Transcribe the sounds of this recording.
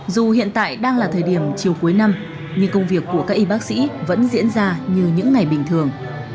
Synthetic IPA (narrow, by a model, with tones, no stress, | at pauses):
zu˨˩hḭ˧˨ənt̪a̰ː˧˨jɗaː˧ŋlaː˨˩t̪ʰəː˨˩jɗi˧˩əmt͡ɕi˨˩əwku˨˦jna˧m | ɲɨ˧kə˧wŋ͡mvi˨˩əkːu˧˩əkaː˦˥k̚ʔi˧ɓaː˦˥k̚sḭ˧˥və̰˧˥nzḭ˧˥ənzaː˧ɲɨ˧ɲɨ̰˧˥ŋːa˨˩jɓï˨˩ŋ̟t̪ʰɨ˨˩əŋ